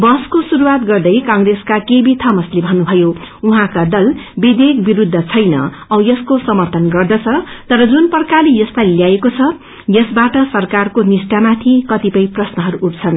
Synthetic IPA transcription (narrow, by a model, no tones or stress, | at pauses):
bʌskosuɾuwat̪ɡʌrd̪ʌjkʌŋreskakebit̪ʰʌmʌslebʱʌnːubʱʌjouɦãkad̪ʌlbid̪ekbiɾud̪ʱːʌt͡sʰʌjnʌ̰ | ʌjʌskosʌmʌrt̪ʌnɡʌrd̪ʌt͡sʰʌt̪ʌɾʌd͡zunpʌrkalijʌslajljaekot͡sʰʌ | jʌsbaʈʌsʌrkarkonisʈamat̪ʰikʌt̪ipʌjprʌsnʌɦʌɾuʔːʈ̚t͡sʰʌn